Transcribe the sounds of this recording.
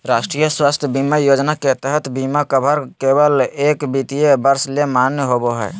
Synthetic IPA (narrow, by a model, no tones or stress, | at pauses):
ɾaʃʈɾijəswast̪ʰjəbimajod͡ʒnaket̪əɦət̪bimakəbʱəɾkebəlekbit̪ijebəɾslemanjəɦoboɦə